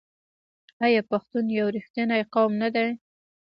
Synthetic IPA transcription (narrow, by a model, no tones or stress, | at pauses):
ajɑpaxt̪unjawɾixt̪anajqawmnad̪aj